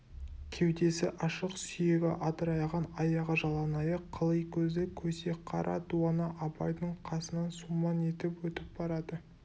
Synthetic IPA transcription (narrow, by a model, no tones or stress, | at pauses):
kʲʰe̞wd̪e̞sɪʔɑʃəqsʏje̞ɡʲɪ̰ʔɑt̪əɾɑjʁɑnɑjɑʁɑʒɑlˠɑnɑjəqʰːəlˠəjkʲʰɵzɪkʲʰɵse̞qʰɑɾʔɑ̰d̪uɑnɑʔɑbɑjd̪əɴqʰɑsənɑnsumɑne̞t̪ɪpwɵt̪ɪp̚bɑɾɑd̪ə